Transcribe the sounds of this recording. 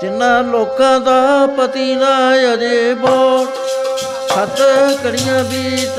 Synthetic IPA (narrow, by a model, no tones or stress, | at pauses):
t̪ɪnːãːloːkãːd̪aːpət̪iːnaːjad̪eːbɔː | kʰət̪kəɽɪjãːbiː